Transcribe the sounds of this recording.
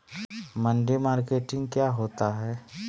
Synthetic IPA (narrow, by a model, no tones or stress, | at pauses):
mə̃ɳɖimaːɾkeːʈɪ̃ŋɡ̚kjaːɦoːt̪aɦɛː